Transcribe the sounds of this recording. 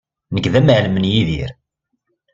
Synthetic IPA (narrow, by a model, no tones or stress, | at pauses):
nəɡðæmʕləmənjiðḭɾ